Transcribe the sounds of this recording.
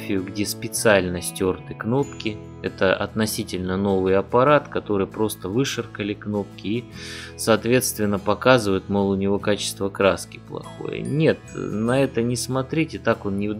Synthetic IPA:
fʲɪjʊɡdʲe̞spʲɪt̪sɨalʲnəsʲtʲo̞rt̪ɨkno̞pkʲɪ | ɛt̪əʔɐ̰t̪nɐsʲitʲɪlʲnəno̞vɨjɐpɐɾat̪kɐt̪o̞ɾɨjpɾo̞st̪əvɨʂɨrkəlʲɪkno̞p̚kʲɪisɐːt̪vʲe̞t̪st̪vʲɪnːəpɐkazɨvəjɪt̪mɐlˠʊnʲɪvo̞kat͡ɕɪ̥st̪vəkɾaskʲɪ̥plˠɐ̰xo̰jə̰nʲe̞t̪nɐɛt̪ənʲɪsmɐt̪ɾʲitʲɪt̪akonnʲɪ

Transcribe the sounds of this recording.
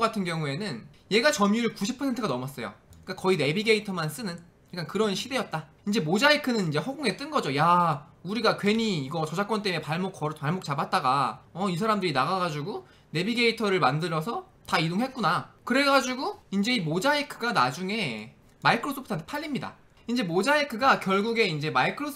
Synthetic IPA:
ɡatʰɯnɡjʌŋue̞nɯn | je̞ɡat͡ɕʌmjuɾɯɭkuɕʰipʰʌentʰɯɡanʌmas͈ʌjo̰k͈akʌine̞biɡe̞itʰʌmans͈ɯnɯn | iɭk͈ankɯɾʌnɕʰide̞jʌt̚t͈a | ind͡ʑe̞mod͡ʑaikʰɯnɯnind͡ʑe̞hoɡoŋe̞t͈ɯnɡʌd͡ʑojauɾiɡakwe̞ɲiːɡʌt͡ɕʌd͡ʑak͈wʌnt͈e̞mepaɭmok̚kʌɾpaɭmok̚t͡ɕ͈abat̚t͈aɡaʌis̬ʰaɾamdɯɾinaɣaɡad͡ʑuɡu | ne̞biɡe̞itʰʌɾɯɭmandɯɾʌsʰʌ | taidoŋɦe̞t̚k͈unakɯɾe̞ɡad͡ʑiɡuind͡ʑe̞imod͡ʑaikʰɯɡanad͡ʑuŋe̞ | maikʰɯɾos͈ʰopʰɯtʰant̪ʰe̥pʰaʎːimɲida̰ | ind͡ʑe̞mod͡ʑaikʰɯɡakjʌɭɡuɡe̞ind͡ʑe̞maikʰɯɾosʰ

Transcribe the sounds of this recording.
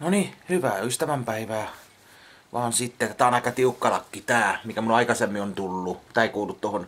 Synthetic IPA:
nonihyʋæːyst̪æʋæmpæiʋæː | ʋɑːnsit̪ːet̪æːˑonɑˑikːˑɑt̪iukːɑlɑkːit̪æːmikæmuloɑˑikɑsemːiont̪ulːut̪æːˑeikoˑulːut̪t̪ohon

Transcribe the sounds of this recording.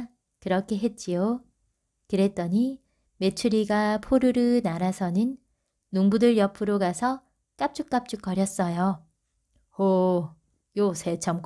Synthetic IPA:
kɯɾʌkʰe̞ɦe̞t̚t͡ɕ͈ijo | kɯɾe̞t̚t͈ʌɲi | me̞t͡ɕʰuɾiɡapʰoɾɯɾɯnaɾasʰʌnɯnː | uŋbudɯɾjʌpʰɯɾoɡasʰʌ | k͈ap̚t͡ɕ͈uk̚k͈ap̚t͡ɕ͈uk̚k͈ʌɾjʌs͈ʌjo | o | josʰet͡ɕʰʌmk

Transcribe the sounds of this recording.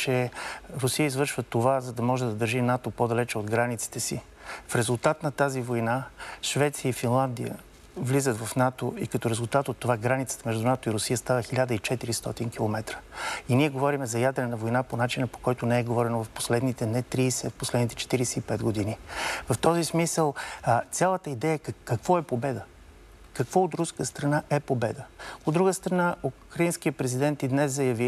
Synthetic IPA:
t͡ʃɛɾʊsijəizvɤɾʃvət̪ovazɐd̪ɐmɔʒɛd̪ɐd̪əɾʒinat̪opod̪ɐlɛt͡ʃɛod̪ɡɾanit̪si̥t̪ɛsi | fɾɛzulˠt̪at̪nɐt̪azivojnaʃvɛt̪siəifinlˠand̪ijə̰ | vlizət̪vɐfnat̪oikɐt̪ɔɾɛzulˠt̪at̪ot̪ːovaɡɾanit̪sə̥t̪əmɛʒd̪unat̪oiɾʊsijəst̪avəxilʲad̪əit͡ʃɛt̪iɾist̪ɔt̪inkilˠomɛt̪ɾə̥iniɛɡovɔɾimɛzɐjad̪ɾɛnəvojnaponat͡ʃinəpo̥kɔjt̪ʊnɛɛɡovɔɾɛnovɐfpo̥slɛd̪nit̪ɛnɛt̪ɾiːsɛfposlɛd̪nit̪ɛ̥t͡ʃɛ̥t̪iɾisɛipɛd̪ɡod̪inivɐft̪ɔzismisəlˠt̪sʲalˠət̪əid̪ɛjəɛkːɐkv̥ɔɛpobɛd̪ə | kɐkvɔot̪ɾuskəst̪ɾɐnaʔɛpobɛd̪əod̪ːɾuɡəst̪ɾɐnaukɾɐinskiəpɾɛzid̪ɛnt̪id̪nɛzzɐjɐvi

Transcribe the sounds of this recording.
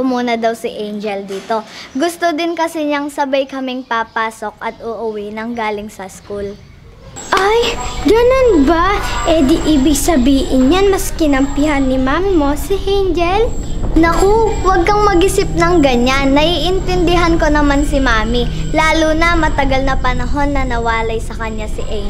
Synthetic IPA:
ʊmuːnɐd̪ɐwsɪʔejnd͡ʒɛld̪iːt̪o̞ɡʊst̪od̪ɪnkɐsɛɲɐŋsɐbajkɐmɪŋpapaːsok̚ʔɐt̪̚ʔʊʔʊwɛnɐŋɡaːlɪŋsɐskul | ʔajɡɐnonbaʔɛd̪iʔɪbɪɡsɐbiːʔɪnjanmɐskɪnɐmpɪɦɐnːɪmaːmɪmo̞sɪʔɛjnd͡ʒɛl | nɐkowɐɡ̚kɐŋmɐɡɪsɪp̚nɐŋɡɐɲanːɐʔiːʔɪnt̪ɛnd̪ɪɦɐnko̞nɐmansɪmaːmilaːlunɐmɐt̪ɐɡɐlnɐpɐnɐɦo̞nːɐnɐwaːlɐjsɐkɐɲːasɪʔɛ

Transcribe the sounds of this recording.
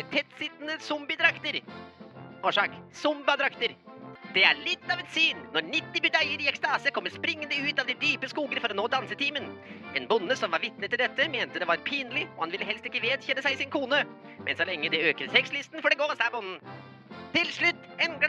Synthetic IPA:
t̪ʰɛt̪sɪt̪ːnəsɔmbɪd̪ɾɑkt̪əɾ | oːʂɑːksʊmbɑd̪ɾɑkt̪əɾd̪̥ɛæɭɪt̪ːɑːʋɛt̪syːnnɔɾɳɪt̪ːɪbʏd̪æɪəɾɪɛkst̪ɑːsəkʰɔmːəɾʂpɾɪŋːənəʉːt̪ɑʋd̪ɪd̪yːpəskuːɡəɾfɔɾɔnoːd̪ɑnsət̪ʰiːmənɛːnbʊnːəsɔmʋɑɾʋɪt̪̚nət̪ʰːɪld̪ɛt̪ːəmeːnt̪əd̪ɛʋɑɾpʰiːnlɪɔhɑnʋɪlːəɦɛlst̪ɪkːəʋeːd̪çɛnəsæɪsɪnkʰuːnə | mʔɛ̰nsɔlɛŋːəd̪ɛøːkəɾsɛkslɪst̪n̩fɔɖɛɡoːsæːɾbʊnn̩ | t̪ʰɪlʂɭʉt̪ː | ɛnɡ

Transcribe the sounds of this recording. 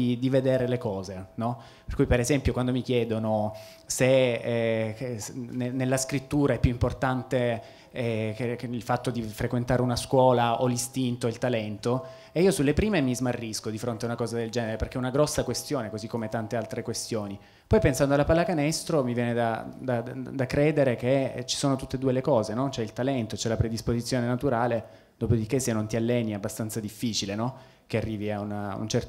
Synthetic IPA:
id̪ived̪eːɾelekɔːzenɔ | perkujpeɾezɛmpjokwand̪omik̟jɛːd̪ono | se | nenelːaskɾit̪ːuːɾaɛpːjuimport̪ant̪e | ɛkilfat̪ːod̪ifɾekwent̪aːɾeunaskwɔːlaolist̪int̪oilt̪alɛnt̪o | eiːosulːepɾiːmemizmarːiskod̪ifɾont̪eaunakɔːzad̪eld͡ʒɛːneɾeperk̟ɛunaɡɾɔsːakwest̪joːnekozikːomet̪ant̪ealt̪ɾekwest̪joːni | pɔjpensand̪oalapalːakanɛst̪ɾomivjɛːned̪ad̪ad̪akɾeːd̪eɾekḛt͡ʃi̥soːnot̪ut̪ːed̪uːelekɔːzenɔt͡ʃoɛilt̪alɛnt̪ot͡ʃɛlapɾed̪ispozit̪sːjoːnenat̪uɾaːle | d̪oːpod̪ik̟ːesːenːont̪ialːɛniabːast̪ant̪sad̪ifːiːt͡ʃilenɔ | k̟earːiːviaunaṵnt͡ʃɛrt̪

